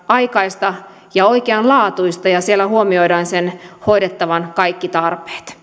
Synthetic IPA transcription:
ɑikɑist̪ɑ | jɑoikeɑnlɑːt̪uist̪ɑjɑsielːæhuomioidɑːnsenhoidet̪ːɑʋɑnkɑikːit̪ɑrpe̥ːt̪

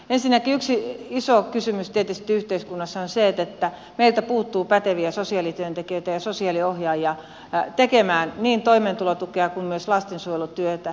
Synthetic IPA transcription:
ensinːækiyksiisokysymyst̪iet̪est̪iyht̪eiskunːɑsːɑonseet̪et̪ːæ | meilt̪æpuːt̪ːuːpæt̪eʋiæsosiɑlit̪yønt̪ekiøit̪æjɑsosiɑliohjɑːjɑ | t̪ekemæːnniːnt̪oiment̪ulot̪ukeɑkummyøslɑst̪ensujelut̪yøt̪æ

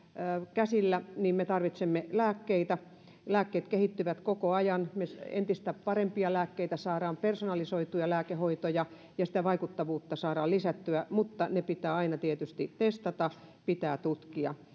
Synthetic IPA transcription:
kæsilːæniːmmet̪ɑrʋit̪semːelæːkːeit̪æ | læːkːeːt̪kehit̪ːyʋæt̪kokoɑjɑnmesḛnt̪ist̪æpɑrempiɑlæːkːeit̪æsɑːɾɑːmpersonɑlisoit̪ujɑlæːkehoit̪ojɑ | jɑsĭ̥t̪æʋɑikut̪ːɑʋuːt̪ːɑsɑːɾɑːlisæt̪ːyæmut̪ːɑnepit̪æːɑinɑt̪iet̪yst̪it̪est̪ɑt̪ɑpit̪æːt̪ut̪kiɑ̰

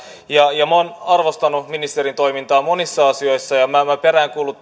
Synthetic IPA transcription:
jɑjɑmoːnɑrʋo̞st̪ɑnuminist̪eɾint̪o̞jmint̪ɑːmo̞nisːɑɑsio̞jsːɑjɑmæmæpe̞ɾæːŋkuːlːˑut̪ː

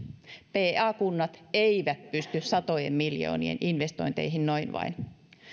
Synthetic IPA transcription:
peːɑːkunːɑt̪eiʋæt̪̚pyst̪yssɑt̪ojḛmːiljo̰ːnḭḛnʔinʋest̪o̞̰int̪ḛiɦinnoinʋɑ̰in

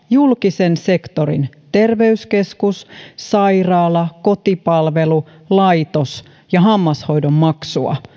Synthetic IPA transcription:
julkisense̞kt̪oɾḭn | t̪e̞rʋe̞yske̞skussɑjrɑːlɑko̞t̪ipɑlʋe̞lu | lɑjt̪os | jɑɦɑmːɑsho̞jdomːɑksuɑ̰

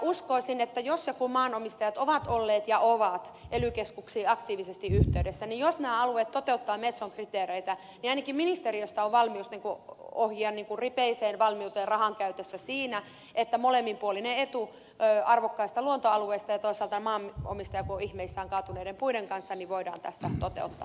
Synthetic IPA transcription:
uskoisinet̪ːæjosjokumɑːnomist̪ɑjɑt̪oʋɑt̪olːeːt̪jɑʔoʋɑt̪ʔelykeskuksiːɑkt̪iːʋisest̪iyht̪eydesːænijosnæːɑluet̪t̪ot̪eut̪ːɑːmet̪soŋkrit̪eːreit̪æ | niɑinɑkimminist̪eriost̪ɑoʋʋɑlmiust̪niːŋkuohjiɑnniːŋkurripeiseːnʋɑlmiut̪eːrɑhɑŋkæyt̪øsːæsiːnæ | et̪ːæmolemːimpuolineet̪u | øɑrʋokːɑist̪ɑluont̪oɑlueist̪ɑjɑt̪oisɑːlt̪ɑnmɑːmo̰mist̪ɑjɑkuoihmeisːæːŋkɑːt̪uneidempuiɾeŋkɑnsːɑniʋʋoidɑ̰ːnt̪æsːæ̰t̪ot̪ḛut̪ːɑ̰ː

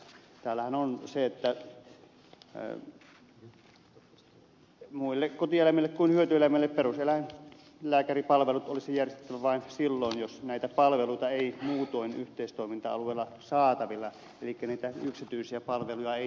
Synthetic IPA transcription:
t̪æːlːæhænonseet̪ːæ | muilːekkot̪ielæmilːˑekkuinhyøt̪yelæmilːepperuselæin | læːkæripɑlʋelut̪olisijærst̪e̥t̪ːæʋæʋɑˑinsilːoinjosnæˑit̪æpɑlʋeluit̪ɑeˑimuːt̪oˑinyht̪eˑist̪oˑimint̪ɑ̰ɑ̰lueˑːlːɑ | sɑːt̪ɑʋilːɑ | elikːæniːt̪æyksit̪yisiæpɑlʋelujɑeˑi

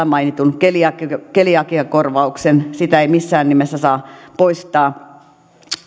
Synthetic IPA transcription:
æmɑinit̪unkeliɑkkeliɑkiɑkorʋɑuksensit̪æeimisːæːnnimesːæsɑːpoist̪ɑː

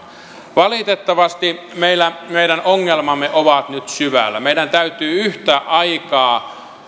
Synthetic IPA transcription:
ʋɑlit̪et̪ːɑʋɑst̪i | meilːˑæmeiɾænoŋːelmɑmːeʔoʋɑt̪nyt̪syʋæ̰lːæmeiɾænt̪æyt̪yːyht̪æːʔɑikɑː

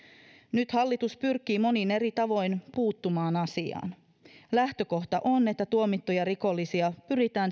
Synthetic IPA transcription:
nyt̪hɑlːit̪uspyrk̟ːˑiːmo̞nine̞ɾit̪ɑʋo̞jnpuːt̪ːumɑːnɑsiɑ̰ːn | læht̪ø̞ko̞ht̪ɑʔo̞nːe̞t̪ːæt̪uo̞mit̪ːojɑɾiko̞lːisiɑpyɾit̪æːn

